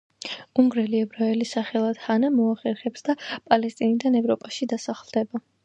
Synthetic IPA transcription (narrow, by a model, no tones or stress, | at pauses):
uŋɡɾɛliɛbɾaɛlisaχɛlˠad̪̥hanamɔaχɛɾχɛpsd̪apʼalɛst̪ʼinid̪anɛvɾɔpʼaʃid̪asaχlˠd̪ɛba